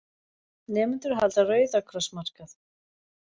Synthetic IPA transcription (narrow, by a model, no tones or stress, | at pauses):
nɛːmʏnt̪ʏɾ̥ɦalt̪arœːɥðakʰɾɔsmar̥kaθ